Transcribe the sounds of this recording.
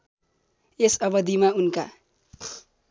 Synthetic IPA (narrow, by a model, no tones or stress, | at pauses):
esʌbʌd̪imaunka̰